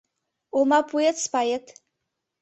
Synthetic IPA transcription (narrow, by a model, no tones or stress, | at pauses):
omapʰuetspajetʼʰ